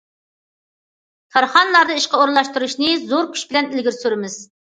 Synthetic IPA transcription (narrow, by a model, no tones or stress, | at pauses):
kʲʰɑɾχɑnlˠɑɾd̪ɨiʃqɑoɾɨlˠɑʃt̪uɾuʃnɨzoɾkʲʰy̥ʃbɪlɛnilɡʲiɾsyɾɪmɪz̥